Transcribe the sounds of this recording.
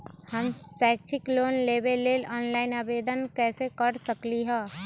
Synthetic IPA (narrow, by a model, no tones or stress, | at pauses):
hɐmsɛːk̚t͡ʃʰɪkloːnleːbelːeːlɔːnlaːɪnaːbeːd̪ənkɛːsekɐɾsɐkliɦɛː